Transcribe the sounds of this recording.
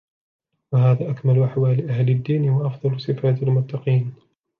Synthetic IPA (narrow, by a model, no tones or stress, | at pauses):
wahaːðaːʔakmalʔaħwaːlɪʔahlɪd̪ːiːnhʊwaʔɑfðˤɑlsˤɨfaːt̪almʊt̪ːɑqiːn